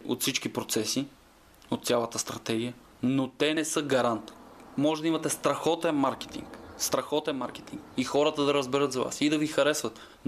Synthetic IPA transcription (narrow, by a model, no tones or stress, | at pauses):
o̰t̪fsit͡ʃkipɾot̪sɛsi | ot̪sʲjalˠɐt̪əst̪ɾɐt̪ɛɡʲijə | not̪ɛnɛsɤɡɐɾant̪mɔʒɛd̪ɐimɐt̪ɛst̪ɾɐxɔt̪ɛnmaɾkɛ̥t̪ḭŋkst̪ɾɐxɔt̪ɛnmaɾk̟ɛ̥t̪iŋkixɔɾət̪əd̪ɐɾəzbɛɾət̪zɐva̰sid̪ɐvixɐɾɛsvət̪